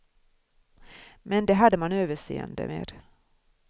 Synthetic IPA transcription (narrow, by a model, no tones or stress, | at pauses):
mɛnd̪ɛɦad̪ːəmanøːvəʂeːənd̪ə̰meːd̪